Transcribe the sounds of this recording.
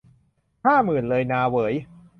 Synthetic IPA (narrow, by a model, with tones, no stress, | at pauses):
haː˥˩mɯː˨˩nlɤː˧jnaː˧wɤː˩˦j